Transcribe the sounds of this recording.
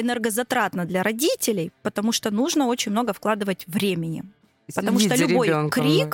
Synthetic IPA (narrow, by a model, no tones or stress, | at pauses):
ɨnɛrɡəzɐt̪ɾat̪nəd̪lʲɐɾɐdʲitʲɪlʲɪjpət̪ɐmuʂt̪onuʐnəo̞t͡ɕɪnʲmno̞ɡəfklˠad̪ɨvətʲvɾʲemʲɪnʲɪ̰ | pət̪ɐmuʂolʲʊbo̞jnkɾʲik